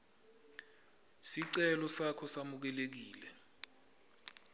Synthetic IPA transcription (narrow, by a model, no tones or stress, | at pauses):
siǀɛlɔsakʰɔsamuk̬ɛlek̬iːlɛ